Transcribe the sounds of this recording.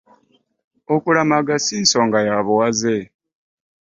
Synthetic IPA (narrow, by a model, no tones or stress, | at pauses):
okulamaɡasiːnsoŋɡajaβuwaze